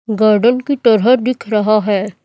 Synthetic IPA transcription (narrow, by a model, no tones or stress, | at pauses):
ɡaːɾɖənkit̪ɐɾɦəɦd̪ɪkʰɾɐɦaɦɛː